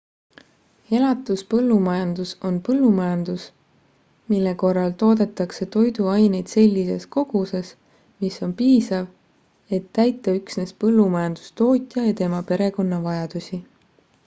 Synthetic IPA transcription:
e̞lɑt̪ːˑuspɤlːumɑjɑnd̪uso̞npɤlːumɑjɑnd̪̥us | milːe̞ko̞rːɑlt̪o̞ːd̪̥e̞t̪ːˑɑkse̞t̪o̞jd̪uɑjne̞jd̪̥se̞lʲːise̞̰sko̞ɡ̥use̞s | miso̞npiːsɑv | e̞t̪ːæjt̪ːˑɑyksne̞spɤlːumɑjɑnd̪̥u̥st̪o̞ːt̪ʲˑjɑjɑt̪e̞mɑpe̞ɾe̞ko̞nːɑvɑjɑd̪̥usʲi

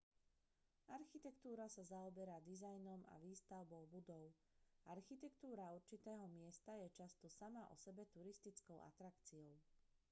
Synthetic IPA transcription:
aɾxit̪ɛkt̪uːɾasazaɔbɛɾaːd̪izajnɔma̰ʋiːst̪aʊbɔʊbud̪ɔʊ | ʔaɾxit̪ɛkt̪uːɾauɾt͡ʃit̪ɛːɦɔmɪɛst̪ajɛt͡ʃast̪ɔsamaʔɔ̰sɛbɛt̪uɾist̪it͡skɔʊʔa̰t̪ɾakt͡siɔʊ

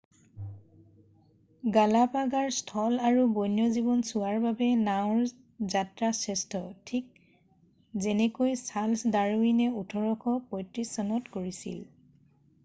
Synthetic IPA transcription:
ɡalapaɡaɹstʰɔlaɹubojnjɔzibɔnsuwaɹbabɛnaʊɹ | zatɹasɛstɔtʰik̚ | zenɛkojsalsdaɹuinɛutʰɔɹɔkʰɔpɔjtɹisɔnɔtkoɹisḭl

